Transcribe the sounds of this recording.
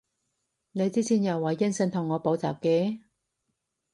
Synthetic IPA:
ne˨˧jt͡siː˥t͡sʰiː˨˥njɐ˨˩wːɐ˨˩jːɐ˥nsɪ˧ŋt̪ʰʊ˨˩ŋːɔː˨˧po˨˥wt͡sa̰ː˨˩p̚ke˨˥

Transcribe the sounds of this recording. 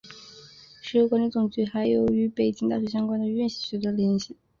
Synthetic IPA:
ʂɻ̩˧˥o˧˥kwɔ˧˥nɛ˧˥t͡sʊ˨˩ŋt͡ɕy˧˥xa˧˥ɪjo˨˩ʊy˧˥pe˨˩ɪt͡ɕi˥ŋt̪a˥˩ɕ̬ɥɛ˧˥ɕjɑ˥ŋkwa˥nd̪ə˨ɥy˥˧nɕi˨˩ɕɛ˧˥t̪ə˥ljɛ˧˥nɕi˨˩˦

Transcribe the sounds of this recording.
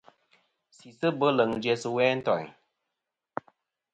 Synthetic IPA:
si˨sə˦bə˦lə˨ŋdɛ˨sə˦wɛː˦n̩˦tɔ̰˨ɲ

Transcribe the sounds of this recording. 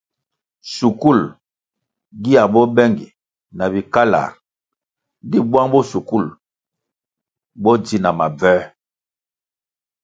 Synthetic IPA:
su˨ku˦˨l | ɡi˦a˨bɔ˦bɛ˦ŋɡḭ˨ | na˨bi˨ka˦la̰˨˦ | di˦bwa˦ŋbɔ˦su˨ku˦˨l | bɔ˦di˦na˨ma˨bɛ˦

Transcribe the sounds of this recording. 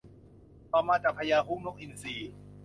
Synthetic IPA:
pa˧maː˦˥t̪a˨˩pʰa˧jaː˧ɦuː˦˥˨mno˦˥k̚ʔi˨nsiː˨˩

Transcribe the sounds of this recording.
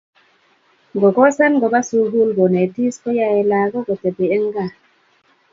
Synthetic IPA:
ɡo˨ɡɔ˦sa˦nɡɔ˨ba˦su˦ɡu˦lɡo˨ne˨ti˦sko˦ja˦e˨la˨ɡo˦ɡo˨te˨be˨e˦ŋ˦ɡa˦˨

